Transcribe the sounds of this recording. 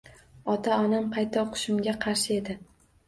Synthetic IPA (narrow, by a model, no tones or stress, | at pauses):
ɒt̪ʰaɒnampʰajt̪ʰːaoqʰʊ̥ʃʊmɡʲaqʰɑɾʃɪe̞d̪ɪ